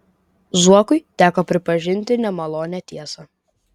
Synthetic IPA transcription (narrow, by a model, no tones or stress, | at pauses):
zuɔkʊɪt̪ʲæːkoːpʲɾʲɪpɐʒʲɪnʲt̪ʲɪnʲɛmɐlˠoːnʲɛt̪ʲiɛsɐ